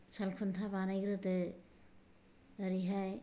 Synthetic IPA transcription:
salkʰuntʰabanajɡɾɯte | aɾiɦaj

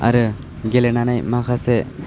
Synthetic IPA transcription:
a̰ɾɯ | ɡelenanajmakʰase

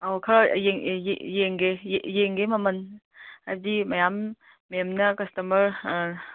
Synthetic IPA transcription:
awkʰɐɾajeŋj̰jeŋɡejeŋɡemɐmɐn | hajdimɐjamː | jamnɐkɐstɐmɐɾ

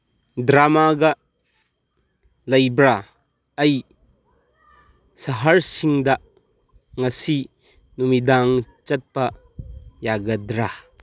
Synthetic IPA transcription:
dɾamaɡɐ | lɐjbɾa | ɐj | sɐɦɐɾsiŋd̪ɐ | ŋɐsi | numid̪aŋt͡ʃɐt̚pɐ | jaɡɐd̪ɾa

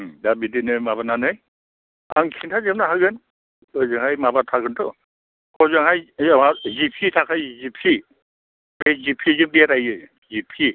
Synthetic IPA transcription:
dabidinɯmabananɯj | a̰ŋkʰintʰazɯmnaɦaɡɯn | ɔzɯŋɦajmabatʰakʰɯntʰɔ | kɔzɯŋɦajamazipʰitʰakʰajzipʰi | bezipʰizɯŋbiatajɯ | zipʰi

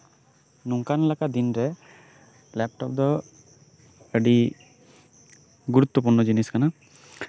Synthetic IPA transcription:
nuŋkanlakad̪inɾɛ | lɛp̚ʈɔp̚d̪ɔ | əɖi | ɡuɾut̪ːɔp̬uɾnɔd͡ʒiniskana

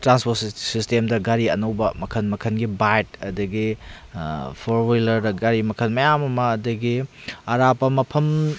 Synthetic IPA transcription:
tɾanspossistemdɐɡaɾiɐ̰nɐwbɐmɐkʰɐnmɐkʰɐnɡibajt̚ɐdɐɡi | pʰoɾwilɐɾdɐɡaɾimɐkʰɐnmɐjamɐmɐːdɐɡiɐɾapɐmɐpʰɐm

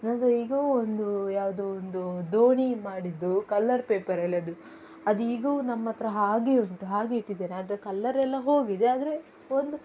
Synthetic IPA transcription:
nɐnd̪ɐiːɡɐuond̪ujaːʋd̪uond̪ud̪oːɳimaːɽid̪ːukɐlːɐɾpeːpɐɾɛlːɐd̪u | ɐd̪uiːɡuːnɐmːɐt̪ːɾɐɦaːɡeuɳʈuɦaːɡeiʈːid̪eːnaːd̪ɐɾekɐlːɐɾɛlːɐɦo̞ːɡid̪eaːd̪ɐɾe | ond̪u

